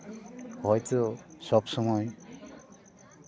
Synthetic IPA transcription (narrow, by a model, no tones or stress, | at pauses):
hɔjtɔsɔbsɔmɔj